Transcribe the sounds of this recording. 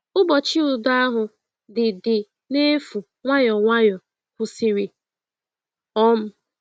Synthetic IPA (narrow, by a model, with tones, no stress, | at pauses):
ʊ˦bɔ˨t͡ʃi˦ʊ˨dʊ˦a˦ɦʊ˨ | dɪ˨dɪ˨ | ne˦fu˨ | ŋʷa˦jɔ˨ŋʷa˦jɔ˨ | kʷʊ˨sɪ˨ɾi˨ | ɔ˦m̩˦